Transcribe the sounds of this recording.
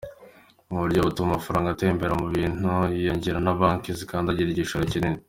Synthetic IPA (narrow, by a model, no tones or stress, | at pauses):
mβuɾɟoβutumamafaɾaːŋɡate̞ːmbeɾamuβiːn̥ujeːɲɟiɾanaβaŋkizikaːndaɟiɾiɟiʃoɾacinini